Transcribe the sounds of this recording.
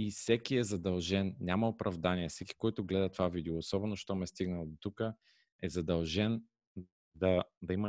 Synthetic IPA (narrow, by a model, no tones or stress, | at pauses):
ifsɛkiɛzɐd̪ɐlˠʒɛnnʲamɐopɾɐvd̪aniɛfsɛki̥kɔjt̪ʊɡlɛd̪ɐt̪vavid̪ioːsɔbɛnoʃt̪ɔmɛst̪iɡnəlˠd̪ot̪ukə | ɛzɐd̪ɐlˠʒɛn | d̪ɐd̪ɐimə